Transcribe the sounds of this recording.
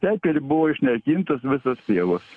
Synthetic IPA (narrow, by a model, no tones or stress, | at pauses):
sʲæːkʲɛɾʲɪbʊʋoːɪʃʲnʲɛrʲkʲiːnt̪ɐsʋʲɪsɐst̪ʲeːʋɐs